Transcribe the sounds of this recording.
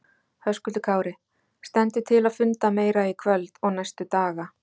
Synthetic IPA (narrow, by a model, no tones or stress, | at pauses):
hœskʏlt̪ʏkʰaːwɾɪ | st̪ɛnt̪ɪt̪ʰɪlaðfʏnt̪ameːjɾaikʰvœlt̪ɔɣnajst̪ʏt̪aːɣa